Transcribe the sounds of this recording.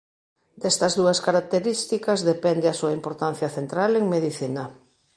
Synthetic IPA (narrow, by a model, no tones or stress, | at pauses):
d̪ɛst̪ɐzðuɐskaɾak̚t̪eɾist̪ikɐzðepɛnd̪easuɐimpoɾt̪an̟θjɐθent̪ɾaleŋmeðiθinɐ